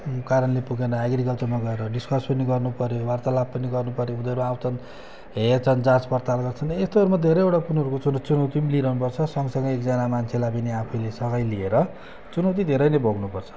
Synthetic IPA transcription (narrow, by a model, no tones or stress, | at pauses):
kaɾʌnlepuɡenʌeɡɾikʌlt͡sʌrmaɡʌeɾʌɖiskʌspʌniɡʌrnupʌɾjowart̪alab̚pʌniɡʌrnupʌɾjoud̪ʌɾuawt̪ʌn | ɦet͡sʰʌnd͡zaspʌrt̪alɡʌrt͡sʰʌnest̪oʌɾumad̪ʱeɾʌjewʈapunʌɾukot͡sunʌt͡sunʌwt̪imiliɾʌɦunupʌrt͡sʰʌsʌŋɡʌsʌŋɡʌekd͡zanamant͡sʰelabineapʰulesʌɡʌjlieɾʌ | t͡sunʌwt̪̬id̪ʱeɾʌjnʌbʱoɡnupʌrt͡sʰʌ̥